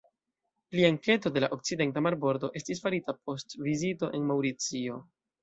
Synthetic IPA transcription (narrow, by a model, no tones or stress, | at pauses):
pliaŋke̞to̞de̞laʔo̞k̚t͡side̞ntamaɾbo̞ɾdo̞ʔe̞stisfaɾitap̚o̞stvizito̞ʔe̞nmawɾit͡sio̞